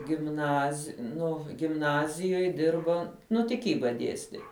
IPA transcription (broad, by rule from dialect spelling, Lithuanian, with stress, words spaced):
ɡʲɪmˈnɐsʲ ˈnʊ ɡʲɪmˈnɑːzʲɪjoːj ˈdʲɪrbɐ ˈnʊ tʲɪˈkʲiːbɐ ˈdʲiɛsʲtʲɪ